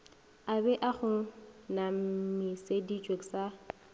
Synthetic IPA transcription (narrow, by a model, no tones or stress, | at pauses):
abɛʔaχʊnam̩misedit͡ʃʼweksa